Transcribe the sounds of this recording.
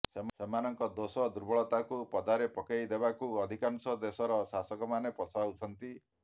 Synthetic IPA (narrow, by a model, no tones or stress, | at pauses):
semsemanɔŋkɔd̪osɔd̪uɾbɔɭɔt̪akupɔd̪aɾepɔkajd̪ebakuɔd̪ʱikansɔd̪esɔɾɔsasɔkɔmanepɔt͡ʃʰaut͡ʃʰɔnt̪i